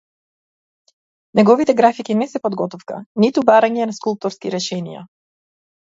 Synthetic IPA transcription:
nɛɡɔvit̪ɛɡɾafikinɛsɛpɔd̪ɡɔt̪ɔfka̰nit̪ubaɾaɲɛnaskulˠp̚t̪ɔɾskiɾɛʃɛnḭja̰

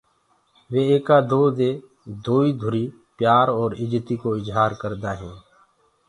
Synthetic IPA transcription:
ʋeːeːkaːd̪oːd̪eː | d̪oːiːd̪ʱʊɾiː | pjaːɾɔːɾɪd͡ʒt̪iːkoːɪzɦaːɾkəɾd̪aːɦɛ̃ː

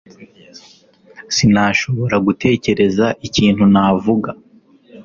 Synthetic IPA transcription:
sinaʃo̞βo̞ɾaɡutʰe̞ːce̞ɾe̞zaʔiciːn̥hunaːvuɡa

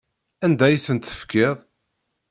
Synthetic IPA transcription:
ænd̪æjθənt̪ə̥fkɪðˤ

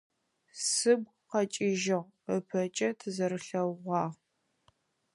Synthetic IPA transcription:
sɨb̚ | qɐt͡ʃʼɪʒɪʁ | əpʰɐt͡ʃʼɐtʰɨzɐɾɨɬɐwʁʷɑːʁ

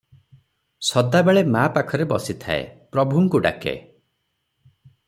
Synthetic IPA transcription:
sɔd̪abeɭemapakʰɔɾebɔsit̪ʰa̰ḛpɾɔbʱuŋkuɖa̰kḛ

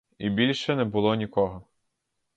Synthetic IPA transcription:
ibʲilʲʃɛnɛbʊlˠɔnʲikɔɦɔ

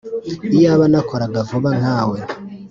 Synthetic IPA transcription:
ijaβanakoɾaɡavuβaŋ̥aːwe

